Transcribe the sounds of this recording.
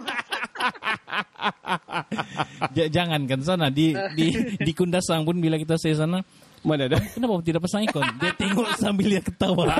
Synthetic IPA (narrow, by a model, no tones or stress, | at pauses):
d͡ʒad͡ʒaŋankans̬anadididikundasaŋpʊnbilakit̪̬asais̬ana | manadakənapat̪̬idaʔpasaŋikɔndiat̪iŋɔsambiljakət̪awa